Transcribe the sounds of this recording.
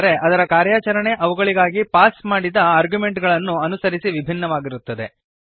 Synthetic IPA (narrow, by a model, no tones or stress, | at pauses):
ɾe̞ʔɐd̪ɐɾɐkaːɾjaːt͡ʃɐɾɐɳe̞ʔɐʋuɡɐɭiɡaːɡipaːsmaːɽid̪ɐaːɾɡjume̞ɳʈɡɐɭɐnːuɐnusɐɾisiʋibʱinːɐʋaːɡiɾut̪ːɐd̪e̞